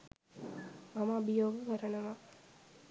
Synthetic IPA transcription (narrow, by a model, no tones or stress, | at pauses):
mamɐːbɐjoːɡɐkɐɾənɐʋa